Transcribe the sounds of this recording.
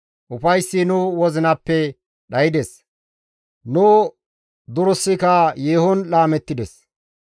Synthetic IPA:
ʔʊfɐjsːɪnʊwɔzɪnɐpːɛ | ɗɐjɪd̪ɛs | nʊ | d̪ʊɾɔsːɪkɐjeːhɔnlaːmɛt̪ːɪd̪ɛs

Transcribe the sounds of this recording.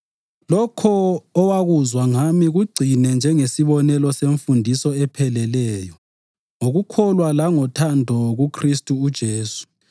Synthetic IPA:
lɔkʰɔːwaɣuzwaŋamiɣuɡ͡ǀʱinɛnd͡ʒʱɛŋesiβɔnɛlɔseɱfundʱisɔɛpʰɛlɛlɛːjɔ | ŋoɣukʰɔlwalaŋɔtʰandʱɔɣukʰristʼuːd̥ʒ̥ʱeːsu̥

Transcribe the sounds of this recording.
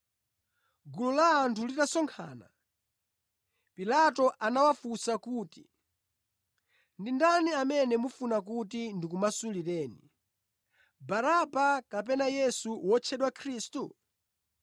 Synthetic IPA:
ɡululaːntʰulitasɔŋkʰa̰ːna̰ | pilatɔʔanawafusakuːti | ndindaniamɛnɛmufunak̬utindikumasuliɾɛːni | baɾabakap̬ɛnajɛsuwɔt͡ʃʰɛɗwakʰɾiːstu

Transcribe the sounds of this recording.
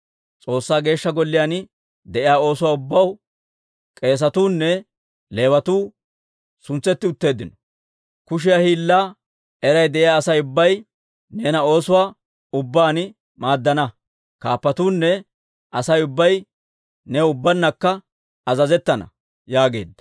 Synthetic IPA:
t͡sʼo̞ːsːaːɡe̞ːʃːɐɡɔlːɪjaːn | d̪ɛʔɪjaːo̞ːsʊwaːʊbːɐw | kʼe̞ːs̬ɐt̪uːnːɛ | le̞ːwɐt̪uː | sʊnt͡sːɛt̪ːɪʊt̪ːe̞ːd̪ːɪnɔ̥ | kʊʃ̬ɪjahiːlːaː | ɛɾɐjd̪ɛʔɪjaːɐsɐjʊbːɐj | neːnɐo̞ːsʊwaː | ʊbːaːnɪ | maːd̪ːɐnɐ | ka̰ːpːɐt̪uːnːɛ | ɐsɐjʊbːɐj | nɛʊbːɐnːɐkːɐ | ɐzɐzɛt̪ːɐnɐ̰ | jaːɡe̞̰ːd̪ːɐ̥

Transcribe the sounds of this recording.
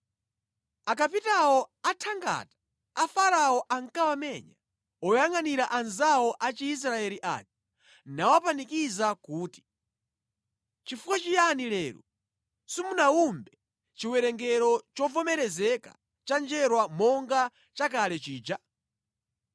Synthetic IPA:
akapitawɔatʰaŋɡa̰tḁ | afaɾaɔʔaŋkawamɛɲa | ɔjaŋaniɾaʔanzawɔʔat͡ʃiːs̬ɾaɛliʔa̰ːt͡ʃi̥ | nawapanikizakuːti̥ | t͡ʃifukwat͡ʃijanilɛːɾṵ | simunaumbɛ | t͡ʃiwɛɾɛŋɡɛɾɔt͡ʃɔvɔmɛɾɛzɛka̰ | t͡ʃand͡ʒɛɾwamɔŋɡa | t͡ʃakalɛt͡ʃiːd͡ʒa

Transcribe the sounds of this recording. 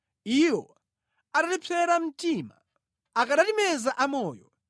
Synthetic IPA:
iwɔ | aɗatipʰɛɾam̩tiːma̰ | akaɗatimɛzaʔamɔːjɔ

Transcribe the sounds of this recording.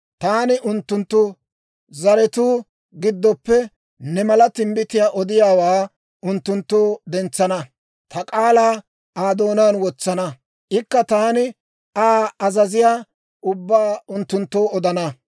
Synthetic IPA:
t̪aːnɪʔʊnt̪ːʊnt̪ːʊ | zɐɾɛt̪uː | ɡɪd̪ːɔpːɛ | nɛmɐlɐt̪ɪmbɪt̪ɪjaːʔɔd̪ɪjaːwaː | ʊnt̪ːʊnt̪ːoːd̪ɛnt͡sːɐnɐ | t̪ɐkʼaːlaː | ʔaːd̪o̞ːnaːnwɔt͡sːɐnɐ | ʔɪkːɐt̪aːnɪ | aːɐzɐzɪjaː | ʔʊbːaːʊnt̪ːʊnt̪ːoːɔd̪ɐnɐ

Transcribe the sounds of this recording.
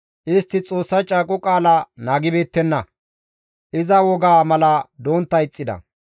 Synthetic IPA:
ʔɪst̪ːɪt͡sʼo̞ːsːɐt͡ʃʼaːkʼʊkʼaːlanaːɡɪbe̞ːt̪ːɛnːɐ | ʔɪzɐwɔɡaːmɐlɐd̪o̞ːnt̪ːɐjɪt͡sʼːɪd̪ɐ̰

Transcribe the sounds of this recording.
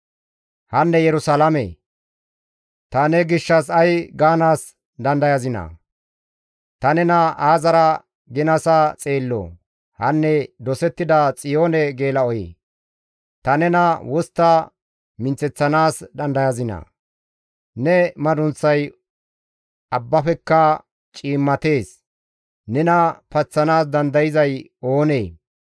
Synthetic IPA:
hɐnːɛjɛɾʊsalɐmɛ̰ | t̪ɐnɛɡɪʃːɐsɐjɡaːnaːs | d̪ɐnd̪ɐjɐzɪnɐ̰ | t̪ɐnɛnɐaːzɐɾɐ | ɡɪnɐsɐt͡sʼe̞ːlːɔ̰ | hɐnːɛd̪ɔsɛt̪ːɪd̪ɐt͡sʼɪjo̞ːnɛɡe̞ːlɐɔjḛ | t̪ɐnɛnɐwɔst̪ːɐ | mɪnt͡sɛt͡sːɐnaːsd̪ɐnd̪ɐjɐzɪnɐ̰ | nɛmɐd̪ʊnt͡sːɐj | ɐbːɐfɛkːɐ | t͡ʃʼiːmːɐt̪e̞ːs | nɛnɐpɐt͡sːɐnaːsd̪ɐnd̪ɐjɪzɐj | o̞ːneː

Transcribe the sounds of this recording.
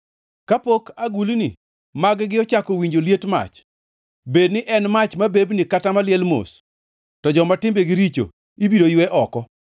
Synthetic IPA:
kapokaɡulini | maɡɡɪɔt͡ʃakɔwiɲd͡ʒoljetma̰t͡ʃ | bednɪʔɛnmat͡ʃmabebnikatamaljɛlmo̰s | tɔd͡ʒɔmatɪmbeɡɪɾit͡ʃo̰ | ibidojwɛʔɔkɔ

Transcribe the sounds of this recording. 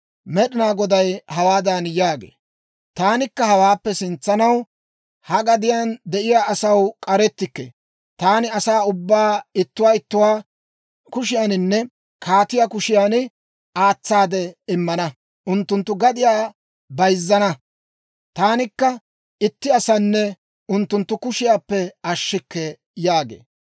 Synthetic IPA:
mɛɗɪnaːɡɔd̪ɐjhɐwaːd̪anjaːɡḛː | t̪aːnɪkːɐhɐwaːpːɛsɪnt͡sːɐnɐw | hɐɡɐd̪ɪjand̪ɛʔɪjaːɐsɐwkʼɐɾɛt̪ːɪkːḛː | t̪aːnɪɐsaːʊbːaːɪt̪ːʊwaːɪt̪ːʊwaː | kʊʃɪjaːnɪnːɛ | kʰaːt̪ɪjaːkʊʃɪjanɪ | aːt͡sːaːd̪ɛɪmːɐnɐ | ʔʊnt̪ːʊnt̪ːʊɡɐd̪ɪjaː | bɐjzːɐnɐ | t̪aːnɪkːɐ | ɪt̪ːɪɐsɐnːɛ | ʔʊnt̪ːʊnt̪ːʊkʊʃɪjaːpːɛɐʃːɪkːɛ | jaːɡḛː

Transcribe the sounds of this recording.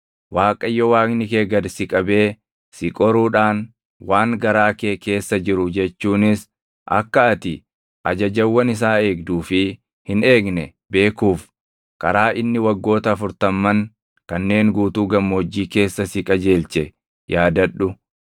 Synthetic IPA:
waːkʼɐjːɔwaːknɪke̞ːɡɐd̪sɪkʼɐbe̞ː | sɪkʼɔɾuːᶑaːn | waːŋɡɐɾaːke̞ːke̞ːsːɐd͡ʒɪɾʊd͡ʒɛt͡ʃːuːnɪs | ʔɐ̰kːɐːt̪ɪ | ʔɐd͡ʒɐd͡ʒɐwːɐnɪs̬aːe̞ːɡ̚d̪uːfɪ | hɪne̞ːɡnɛ | be̞ːkuːf | kʼɐɾaːʔɪnːɪwɐɡːo̞ːt̪ɐːfʊɾt̪ɐmːɐŋ | kɐnːe̞ːŋɡuːt̪uːɡɐmːod͡ʒːiːke̞ːsːɐsɪkʼɐd͡ʒe̞ːlt͡ʃɛ | jaːd̪ɐᶑːʊ

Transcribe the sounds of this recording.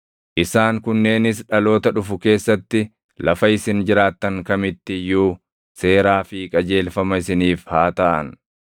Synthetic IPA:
ʔɪsaːŋkʊnːe̞ːnɪs̬ᶑɐlo̞ːt̪ɐᶑʊfʊke̞ːsːɐt̪ːɪ | lɐfɐɪsɪnd͡ʒɪɾaːt̪ːɐŋkɐmɪt̪ːɪjuː | se̞ːɾaːfɪkʼɐd͡ʒe̞ːlfɐmɐɪsɪniːfhaːt̪ɐʔɐ̰n

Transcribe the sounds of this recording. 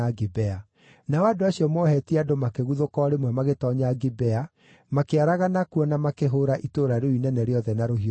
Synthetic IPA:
aɡibɛa | naɔadoaɕiɔmɔhɛtiadomakeɣuðokɔɾemwɛmaɣetɔɲaɡibɛa | makeaɾaɣanakuɔnamakeɦoːɾaʔitoːɾaɾoinɛnɛɾeɔðɛnaɾoɦi

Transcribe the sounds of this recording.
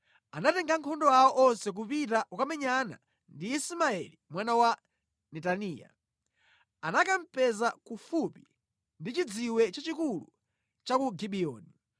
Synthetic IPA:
anatɛŋɡaŋkʰɔndɔaɔʔɔnsɛk̬upitaʔukamɛɲana̰ | ndiisimaɛlimwanawa | nɛtaniːja̰ | anakam̩pɛzakufupi | ndit͡ʃid͡ziwɛt͡ʃat͡ʃikulṵ | t͡ʃakuɡiɓiɔ̰ːni

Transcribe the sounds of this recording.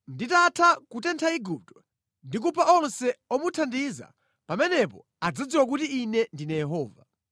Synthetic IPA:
nditatʰakutɛntʰaiɡup̚tɔ̥ | ndik̬upʰaʔɔnsɛɔmutʰandiza̰ | pamɛnɛpɔ̰ | ad͡zad͡ziwak̬utiːnɛndinajɛɦɔːva̰

